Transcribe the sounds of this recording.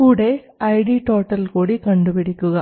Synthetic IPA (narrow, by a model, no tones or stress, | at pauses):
kuːɽe | ɐɪɽiʈoːʈːɐlkoːɽikɐɳɖɯpɪɽɪkːɯɣɐ